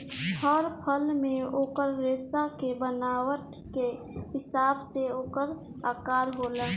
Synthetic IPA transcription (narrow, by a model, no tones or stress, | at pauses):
hɔɾpʰəlmẽoːkəɾːeːsakebənaːwəʈ | ke | ɦɪsaːbseoːkəɾ | aːkaːɾɦoːləː